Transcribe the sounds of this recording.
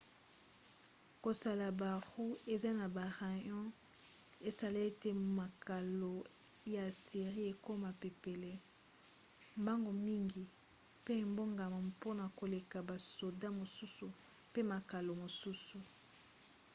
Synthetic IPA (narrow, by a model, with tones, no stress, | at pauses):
ko˨sa˨la˨ba˨ʁu˦e˨za˦na˨ba˨ʁa˨ɲɔ̃˦ | e˨sa˨le˦e˦te˦ma˨ka˨lo˨ | ja˨si˨ʁi˦e˨ko˦ma˨pe˨pe˨le˦ | mba˦ŋɡo˨mi˦ŋɡi˨ | pe˦e˨mbo˦ŋɡa˨ma˨po˦na˨ko˨le˨ka˨ba˨so˨da˦mo˨su˦su˨ | pe˦ma˨ka˨lo˨mo˨su˦su˨